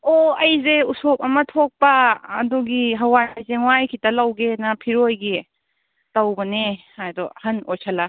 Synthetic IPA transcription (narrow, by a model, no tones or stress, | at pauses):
oɐjzeusop̚ɐmɐtʰok̚pɐ̰ːduɡiɦɐwajjzeŋwajkʰitɐlɐwɡenɐpʰiɾojɡi | tɐwbɐne | ajdɔhɐnojsʰɐlɐ